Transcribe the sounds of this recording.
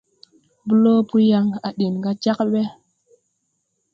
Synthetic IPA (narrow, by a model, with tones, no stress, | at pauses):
bu˦lo˦pu˦ja˧ŋa˨ɗi˨nɡa˦t͡ʃa˦kɓe˦